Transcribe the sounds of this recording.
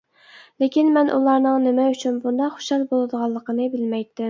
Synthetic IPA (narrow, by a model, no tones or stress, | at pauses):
lekʲinmɛnʔṵlˠɑɾnɨŋnɪmɛyt͡ʃʰynbund̪ɑqχo̥ʃɑlˠbolˠɨd̪əʁɑlˠːəqʰənɨbɪlmɛjt̪ːɪm